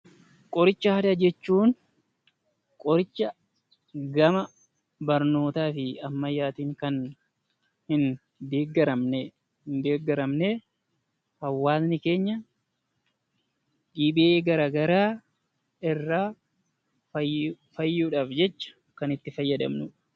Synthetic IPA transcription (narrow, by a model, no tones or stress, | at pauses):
kʼɔɾɪt͡ʃːɐhɐd̪ɐd͡ʒɛt͡ʃːuːn | kʼɔɾɪt͡ʃːɐ | ɡɐmɐ | bɐɾno̞ːt̪aːfɪɐmːɐjːaːt̪iːŋkɐn | hɪn | d̪eːɡɐɾɐmne | hɪnd̪e̞ːɡɐɾɐmneː | hɐwːaːznɪke̞ːɲːɐ | ᶑiːbɪʔeːɡɐɾaːɡɐɾaː | ɪrːaː | fɐjːuːᶑaːfd͡ʒɛt͡ʃːɐ̥ | kɐnɪt̪ːɪfɐjːɐd̪ɐ̰mnʊːᶑ